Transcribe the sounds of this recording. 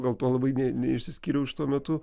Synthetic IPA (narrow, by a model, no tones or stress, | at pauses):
ɡɐlˠt̪oɔlˠɐbɐɪnʲɛnʲɛɪʃʲsʲɪsʲkʲiːɾʲɛʊʃʲɪ̥t̪uɔmʲɛt̪ʊ